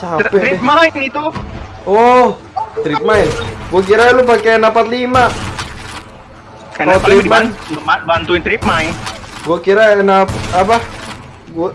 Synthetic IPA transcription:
t͡ʃapɛɾimaɪnit̪u | ɔh | t̪ɾip̚maɪnɡuak̬iɾalupakenapat̪lima | at̪imabant̪uɪnt̪ɾip̚maɪnɡuakiɾanapapa | ɡua

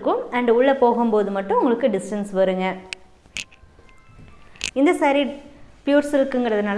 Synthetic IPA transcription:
kːɯmɐɳɖʊɭːɐpoːɣɯmpoːðɯmɐʈːɯ̃ʊŋɡɐɭɯkːɯɖɪsʈɐnsʋɐɾɯŋɡɐ | ɪnd̪ɐsɐːɾipɪjuːɾsɪlkːɯŋɡɐɽɐðɯnaːl

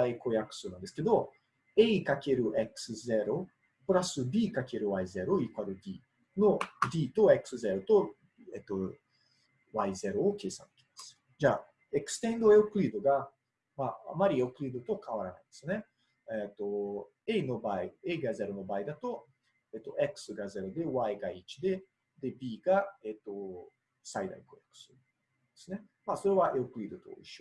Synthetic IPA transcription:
aiko̞jakɯ̟̥sɨːnãnd̪esɨ̥ke̞d̪o̞ | e̞ikake̞ɾɯ̟ʔekɯ̟̥sɨze̞ɾo̞ | pɯ̟ɾasɨbʲiːkake̞ɾɯ̟βaize̞ɾo̞iːkɯaɾɯ̟d̪ʲiː | no̞d̪ʲiːt̪o̞e̞kɯ̟sɨze̞ɾo̞t̪o̞ | et̪ːo̞ | βaize̞ɾo̞ːke̞ːsã̰nt̪e̥kʲe̥massɨ̥ | d͡ʑaː | e̞kɯ̟̥sɨ̥t̪ẽ̞nd̪o̞eokɯ̟ɾʲiːd̪o̞ɡa | maa̰maɾʲiokɯ̟ɾʲiːd̪o̞t̪o̞kaβ̞aɾana̰ĩnd̪esɨne̞ | et̪ːo̞ | eino̞baieiɡaze̞ɾɯ̟no̞baːid̪at̪o̞ | eːt̪ːo̞ʔe̞kɯ̟̥sɨɡaze̞ɾod̪e̞βaiɡait͡ɕi̥d̪e̞ | d̪e̞bʲiːɡaet̪ːo̞ | said̪a̰iko̰jakɯ̥sɨ | d̪e̞sɨne̞ | maso̞ɾe̞βaʔeokɯ̟ɾʲiːd̪o̞t̪o̞̰ḭɕo

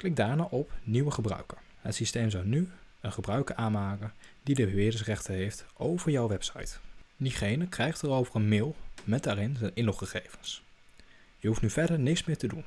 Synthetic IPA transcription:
klɪk̚daːɹnaːʔɔpniwəχəbrœ̰ɥkəɹ | ɦətsistejmzɑwny | ənχəbrœɥkəɹaːnmaːkəndidəbəʋɪːdəs̬rɛχtənɦejftʔowvəɹjɔwʋɛpsɑ̰jtdiχejnəkrɛjχtərowvərənmɪːlˠmɛt̚daːrɪnzɛnʔɪnlɔχχəχejvəns | jəɦuftnyvɛɹdəɹnɪksmɪːɹtədun

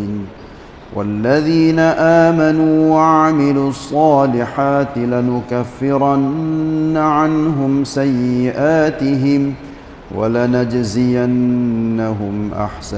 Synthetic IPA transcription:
n | wa̰lːaðiːnaʔaːmanuːwaʕaamɪluːɑsˤːɑːlɪħaːt̪ɪlanʊkafːɪɾanːaʕanɦʊmsajːɪʔaːt̪ɪɦɪm | wa̰lanad͡ʒzɪjanːaɦʊmʔa̰ħsa

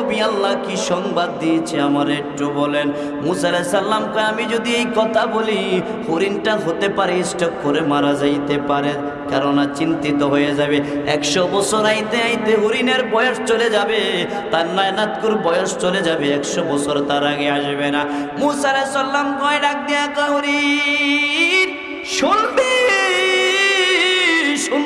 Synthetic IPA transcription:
obialːakiʃɔŋbad̪ːiet͡ɕʰiamaɾek̚ʈubɔlen | muːsaalɛsalːamkɔeamid͡ʑod̪iejkɔt̪ʰaboli | huɾinʈaɦot̪epaɾeisʈɔkkːoɾemaɾad͡ʑajt̪epaɾe | kaɾonat͡ɕint̪it̪oɦojed͡ʑabeɛkʃobɔt͡ɕʰoɾajt̪eajt̪eɦuɾineɾbɔjoʃt͡ɕoled͡ʑabe | t̪aɾnajnat̪kuɾbɔjoʃt͡ɕoled͡ʑabeɛkʃɔbɔt͡ɕʰoɾt̪aɾaɡeaʃbena | musaɾesɔlːamkɔeɖak̚nijakɔɦuɾi | n | ʃolbe | ʃun

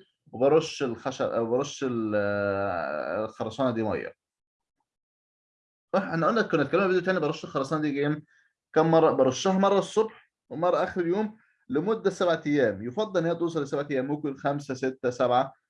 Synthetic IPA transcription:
webɑɾˤoʃːelxæʃæ̰ʔwbɑɾˤoʃːel | lxɑɾˤɑsˤɑːnɑd̪iːmæ̰jːɑ̰ | ɑħʔænæʔolnːæt̪kʊnʔæt̪kælːemæbed̪ut̪æːnibɑɾˤoʃːelxɑɾˤɑsˤɑːnd̪iːɡæːm | kæːmːɑrˤːɑbɑɾˤoʃːæːhmɑrˤːɑsˤːobħ | wemɑrˤːɑʔæxɾeljoːm | lɪmʊd̪ːæsæbʕat̪æjːæːmjefɑd̪ˤːɑlenːæːt̪ˤuːsˤɑlesæbʕat̪æjæːmːʊkenxæmsæset̪ːæsæbʕa

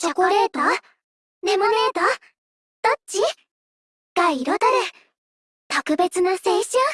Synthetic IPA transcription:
t͡ɕakoɾeːt̪a | nemoneːt̪a | d̪̥ott͡ɕi | ɡ̥aiiɾot̪aɾe | t̪okɯ̟be̞t͡sɨnaseːɕ

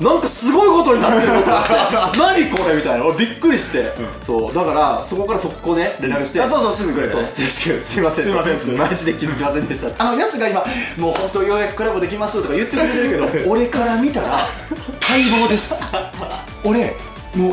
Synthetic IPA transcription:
nãŋkasɨɡo̞iko̞t̪o̞ɲinat̪eot̪naɲ̟iko̞ɾe̞mʲit̪ainaoɾebʲikːɯ̟ɾʲiɕi̥t̪e̞so̰ːd̪akaɾaso̞ko̞kaɾaso̞kːone̞ɾʲenakɯ̟ɕi̥t̪esoːsoːsizkɯɾsosɕi̥kɯsɨimasẽmaiʑid̪ekʲizɨkʲimasẽ̞nd̪e̞ɕi̥t̪at̪ːamomijosaŋɡaimamoːhõnt̪o̞jo̞ːjakɯ̟kːɯ̟ɾabɨd̪e̞kʲimasɨt̪o̞kajɯ̟t̪ːeak̪eɾɯ̟ke̞d̪ooɾe̞kaɾamʲit̪aɾakʰaibo̞ːd̪e̞sɨ̥ | oɾe̞ | mo

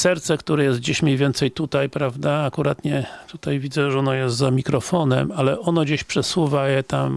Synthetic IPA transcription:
sɛɾt̪sɛkt̪uɾɛjɛst̪̚d͡ʑeɕmʲɲejvʲjɛnt̪sɛjt̪ut̪ajpɾavd̪aakuɾat̪ɲɛt̪ut̪ajvʲid̪zɛʐɔnɔjɛst̪zamʲikɾɔfɔnɛ̰malɛɔnɔd͡ʑeɕpʂɛswuvajɛt̪am

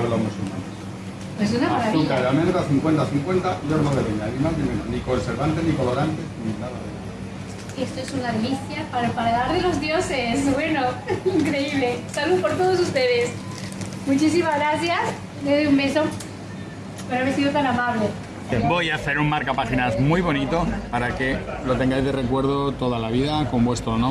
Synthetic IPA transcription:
elo̞zmusulmã̰nos | wes̬unamaɾaβiaeɾamenuɾaθiŋkwe̞nt̪aθiŋkwe̞nt̪aʝoɾnoðeβeɲanimaznimenonikoeseɾβant̪eniko̞lo̞ɾant̪eninaða̰ðea | est̪oesunaðeliθjapaɾpaɾaðaɾðelo̞zðjo̞se̞sβwe̞no̞iŋkɾe̞iβle̞saluðopoɾt̪oðo̞s̬ust̪e̞ðe̞s | mut͡ʃis̬imazɣɾaθjas | d̪eðeumbe̞so̞ | peɾaβeɾsiðot̪anamaβle̞ | bo̞jaθe̞ɾunmaɾkapaxinazmujβo̞nit̪o̞paɾake̞lo̞t̪e̞ŋɡajzðe̞re̞kwe̞ɾðot̪o̞ðalaβ̞iðako̞mbwe̞st̪ɾonõ

